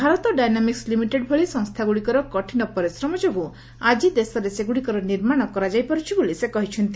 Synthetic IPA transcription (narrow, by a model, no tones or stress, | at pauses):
bʱaɾɔt̪ɔɖajnamikslimiʈeɖbʱoɭisɔŋst̪ʰaɡuɽikɔɾɔkɔʈʰinɔpɔɾisɾɔmɔd͡ʒoɡu | ad͡ʒid̪esɔɾeseɡuɽikɔɾɔniɾmaɽ̃ɔkɔɾad͡ʒajpɔɾut͡ʃʰibolisekɔɦit͡ʃʰɔnt̪i